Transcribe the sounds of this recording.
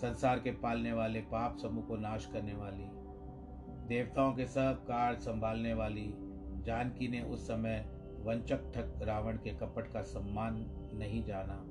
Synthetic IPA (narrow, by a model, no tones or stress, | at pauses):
sɐ̃nsaːɾkepaːlneʋaːlepaːpsɐmũkonaːʃkɐɾneʋaːli | d̪eːʋt̪aːõkesɐb̚kaːɽsɐ̃mbʱaːlneʋaːli | d͡ʒaːnkineʔʊsːɐmə | ʋɐ̃ɲt͡ʃək̚ʈʰək̚ɾaːʋəɽ̃kekɐpəʈkasɐmːaːnː | ɐɦĩd͡ʒaːnaː